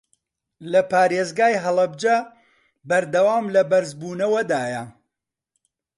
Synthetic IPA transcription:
lɐpaːɾeːzɡaːjɦɐlˠɐbd͡ʒɐ | bɐɾd̪ɐwaːmlɐbɐɾzbuːnɐwɐd̪aːjɐ

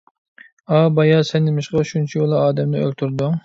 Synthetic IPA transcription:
ɑbɑjɑsɛnːɪmɪʃqɑʃunt͡ʃʰijolˠɑɑːd̪ɛmd̪ɪø̰lt̪ʰuɾd̪u

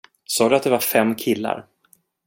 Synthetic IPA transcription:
sɑːd̪ɵat̪̚d̪ɛvaɾfɛmːkʰɪlːa̰ɾ

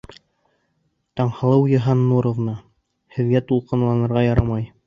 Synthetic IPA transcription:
t̪ɑɴhɑ̆lˠɤwjɤ̆ɦɑnːuɾŏvnɑ | hɘ̆ðɡæt̪ulˠqɤ̆nlˠɑnɤ̆ɾʁɑjɑɾɑmɑj

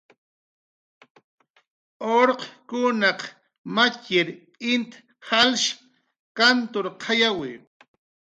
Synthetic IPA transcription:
oɾqkʊnɑq | makɪɾʼ | ɪnt̪ | halʃ | kant̪oɾqʰajawɪ

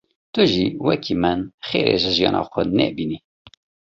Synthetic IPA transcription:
t̪ʊʒiwɛkʰimənxeːɾḛːʒəʒijɑːnʔɑ̰ːxʷɛnɛ̰ːbiːni

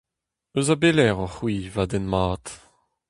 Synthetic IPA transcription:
øzabelɛʁɑ̃χwiːvadɛnmaːt̪

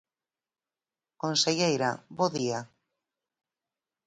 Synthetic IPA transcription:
konseʎejɾaboðia

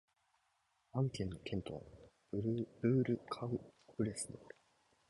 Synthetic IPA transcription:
ãŋkʲẽnːo̞kẽ̞nt̪o̞βa̰ | ɾbɯ̟ːɾɯ̟kʰaɯ̟pɯ̟ɾesɨd̪eoɾɯ̥

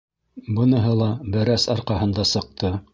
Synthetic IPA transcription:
bɤ̆nɤ̆ɦɤlˠɑbæɾæsɑɾqɑɦɤ̆nd̪ɑsɤ̆q̚t̪ɤ

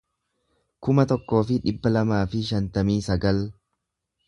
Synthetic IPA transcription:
kʊmɐt̪ɔkːo̞ːfɪᶑɪbːɐlɐmaːfɪʃɐnt̪ɐmiːsɐɡɐl

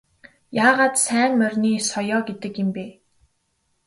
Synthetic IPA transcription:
jaːʁaːt̪sæːmːœrʲniːsɔjɔːɡet̪ɘ̆kjɪ̆mpeː

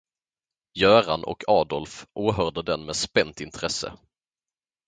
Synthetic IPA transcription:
jœːɾanʔɔ̰kʰɑːd̪ɔlfʔoːɦœʁɖ̪əd̪ɛnmeːspɛnt̪ɪnt̪ʰɾɛsə̰

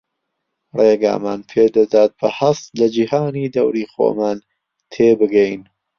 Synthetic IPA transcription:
reːɡa̰ːma̰ːnpʰeːd̪ɐd̪aːt̪̚b̥ɐhɐst̪lɐd͡ʒihaːniːd̪ɐwɾiːxo̰ːmaːn | t̪ʰeːbɨɡɛjn

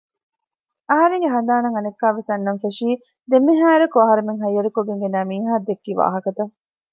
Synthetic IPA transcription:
ɐɦɐɾeŋɡeɦɐnd̪aːnɐŋɐnekːaːʋesɐnːɐɱfeʂiː | d̪emːiɦaːeɾɐkuɐɦɐɾemeŋɦɐjːɐɾukoɡeŋɡenɐːmiːɦaːd̪ekːiːʋa̰ːɦɐkɐt̪ɐ

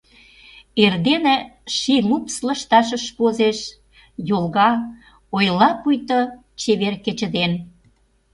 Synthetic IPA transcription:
erd̪enĕʃilupslə̆ʃt̪ɑʃ̬ə̆ʃpozeʃ | jolɣɑ | ojlɑpujt̪o | t͡ɕeβerket͡ɕə̆d̪en

